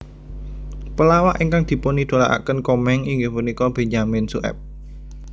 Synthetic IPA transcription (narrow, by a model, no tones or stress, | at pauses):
pəlawaʔiŋkaŋd̪̥i̤ponid̪̥o̤la̰ʔa̰kənkɔmɛŋiŋɡɪhpunikɔb̥e̤ɲamɪnsṵʔɛ̰p̚